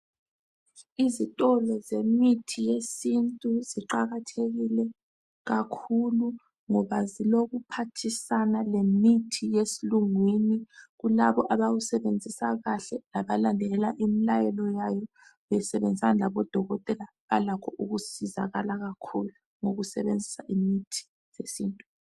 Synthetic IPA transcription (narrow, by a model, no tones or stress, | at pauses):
izitʼɔlɔzemitʰijesintʼuziǃaɣatʰeɣilɛ | ɣakʰulu | ŋɔβaziloɣupʰatʰisanalemitʰijesiluŋweniɣulaβɔʔaβaɣusɛβend͡zʱisaɣaɬɛlaβalandʱɛɛlaʔimilajɛlɔjajɔ | βɛsɛβend͡zʱisanalaβɔd̥ʱɔɣɔtʼɛla | ɣalakʰɔʔuɣusiza̰ɣalaɣakʰulu | ŋoɣusɛβend͡zʱisaʔimitʰi̥ | jesiːntʼu̥